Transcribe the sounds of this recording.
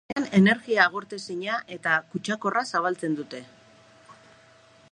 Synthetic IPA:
ne̞ne̞ɾɣiaːɣ̞oɾt̪e̞siɲaʔe̞t̪akut͡ʃako̞rasaβ̞alt͡se̞nd̪ut̪e̞

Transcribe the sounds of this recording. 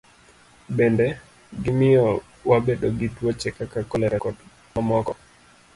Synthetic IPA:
bende | ɡɪmɪjɔ | wabedoɡitwot͡ʃɛkakakɔlɛɾɛkɔd | mamɔkɔ

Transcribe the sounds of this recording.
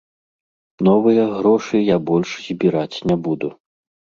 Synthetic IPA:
nɔvɨjɐɣɾɔʂɨjabɔlʲʂzʲbʲiɾat͡sʲnʲɛbud̪u

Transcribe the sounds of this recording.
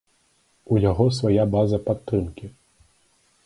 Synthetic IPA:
ujaɣɔsvajabazɐpat̪ːɾɨmkʲi

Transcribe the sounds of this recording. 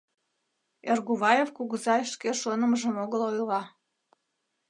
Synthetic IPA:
erɣuβɑjefkuɣuzɑʃkeʃonə̆məʒə̆moɣəlojlɑ

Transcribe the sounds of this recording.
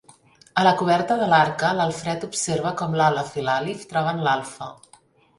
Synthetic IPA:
ələkuβɛɾt̪əðəlaɾkələlˠfɾɛt̪upseɾβ̞əkɔmlaləfilalift̪ɾaβanlalˠfə

